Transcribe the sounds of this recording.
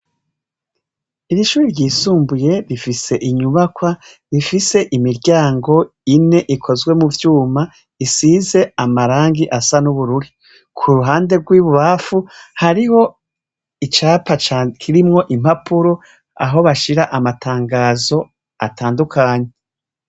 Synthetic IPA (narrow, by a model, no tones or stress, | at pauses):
iɾiʃuːɾiɾɟiːsuːmbuje̞ɾifise̞ʔiɲuβakwa | ɾifise̞ʔimiɾɟaːŋɡo̞ | ine̞ʔikʰo̞zɡwe̞muvjuːma | isiːze̞amaɾaːŋɡiʔasanuβuɾuɾi | kʰuɾuɦaːnde̞ɡwiːβuβafuhaɾiho̞ | it͡ʃaːpat͡ʃakʰiɾimŋo̞ʔim̥hapuɾo | a̰ɦo̞βaʃiɾaʔamatʰaːŋɡaːzo̞ | atʰaːndukʰaːɲe̞